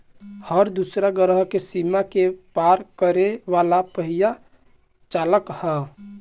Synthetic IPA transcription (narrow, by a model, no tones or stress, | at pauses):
həɾd̪usɾaɡəɾəɦkesimakepaɾkəɾeʋalapəɦija | t͡ʃaːləkhɛ